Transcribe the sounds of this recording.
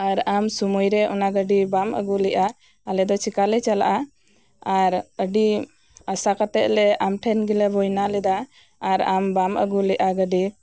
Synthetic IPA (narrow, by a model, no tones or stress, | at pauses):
aɾamsumujɾɛɔ̰naɡəɖibamʔə̰ɡulɛʔaː | lɛd̪ɔt͡ʃʰikalɛt͡ʃala̰ʔa | aɾəɖi | asakat̪ɛʔ̪̚lɛamʈʰɛnɡilɛbɔjnalɛd̪aː | ɾambamə̰ɡulɛʔaɡəɖi